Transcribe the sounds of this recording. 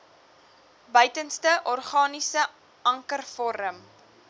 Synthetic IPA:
bœɥtənstəʔɔrχɑːnisə | ɐŋkərfɔɾəm

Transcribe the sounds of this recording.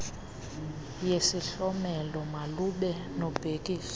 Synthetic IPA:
jesiɬɔmɛlɔmaluɓɛ | nɔb̥ʱekʼiːsɔ̥

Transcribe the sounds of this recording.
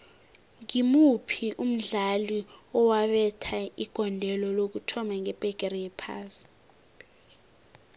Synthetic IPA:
ŋimupʰiʔum̩ɮaliɔwaɓɛtʰaiɡ̥ʱɔndʱɛlɔlok̬utʰɔmaŋɛb̥ʼʱɛk̬ʼɛrɛjɛpʰa̰ːsi̥

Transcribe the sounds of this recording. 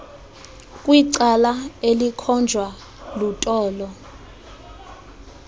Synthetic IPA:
kʼwiǀalaelikʰɔnd͡ʒʱwa | lutʼɔːlɔ

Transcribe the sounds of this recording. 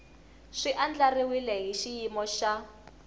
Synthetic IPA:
ʂiʔand͡ɮariwilɛɦiʃijimɔʃa

